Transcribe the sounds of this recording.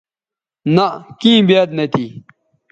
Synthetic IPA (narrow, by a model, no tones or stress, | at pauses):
nɐkĩːbjad̪nɐt̪ʰi